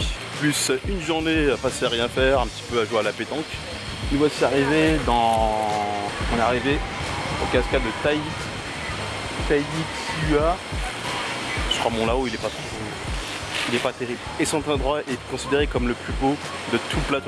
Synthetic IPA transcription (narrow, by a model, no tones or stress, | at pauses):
plysynʒuʁneəpaseaʁjɛ̃fɛʁɛ̃pət̪i̥pøaʒwealapet̪ɑ̃k | ivwasiaʁived̪ɑ̃ | ɔ̃nɛaʁiveokaskad̪ət̪ai | t̪ajisya | ʃkwamɔ̃laoilɛpat̪χo | ilɛpat̪eʁiblesɔ̃t̪ɑ̃d̪ʁwaʔɛkɔ̃sid̪eʁekɔmləplybo | d̪ət̪ʰuplat̪o